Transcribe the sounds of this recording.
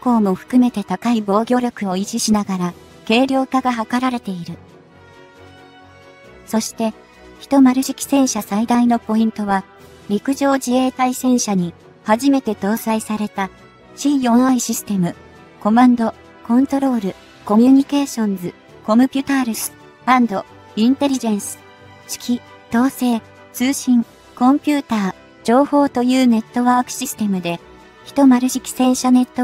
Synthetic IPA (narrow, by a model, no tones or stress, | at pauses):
ko̞ːmo̞ɸɯ̟̥kɯ̟me̞t̪e̞t̪akaibo̞ːɡʲo̞ːɾʲo̞kɯ̟o̞it͡ɕiɕinaɡaɾa | ke̞ːɾʲo̞ːkaɡaɦakaɾaɾe̞t̪e̞iɾɯ̟ | so̞ɕi̥t̪e̞ | çi̥t̪o̞maɾɯ̟ɕi̥kʲi̥sẽ̞ɰ̃ɕasaid̪aino̞po̞ĩnt̪o̞βa | ɾʲikɯ̟ʑo̞ːd͡ʑie̞ːt̪aisẽ̞ɰ̃ɕaɲ̟i | haʑime̞t̪e̞t̪o̞ːsaisaɾe̞t̪a | ɕiːjõɰaiɕisɨ̥t̪e̞mɯ̟ | ko̞mãnd̪o̞ | kõ̞nt̪o̞ɾo̞ːɾɯ̟ | ko̞mʲjɯɲ̟ike̞ːɕõ̞nzɨ | ko̞mɯ̟pʲɯt̪aɾɯ̟sɨ̥ | b̥ãnd̪o̞ | ĩnt̪e̞ɾʲiʑẽ̞ɰ̃sɨ̥ | ɕi̥kʲi | t̪o̞ːse̞ː | t͡sɨːɕĩŋ | kõ̞mpʲɨːt̪aː | d͡ʑo̞ːho̞ːt̪o̞jɯ̟ːne̞t̪ːo̞βaːkɯ̟̥ɕisɨ̥t̪e̞mɯ̟d̪e̞ | çi̥t̪o̞maɾɯ̟ɕikʲi̥sẽ̞ɰ̃ɕane̞t̪ːo